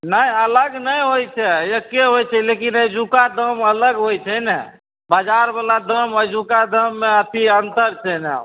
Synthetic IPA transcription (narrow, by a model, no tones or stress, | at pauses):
nəjələɡnəjɦojt͡ʃʰɛjəkːeɦojt͡ʃʰɛlekinəjd͡ʒukad̪əmələɡɦojt͡ʃʰənɛ | bad͡ʒaɾbəlad̪əməd͡ʒukad̪əmːeət̪ʰiənt̪əɾt͡ʃʰənɛ̰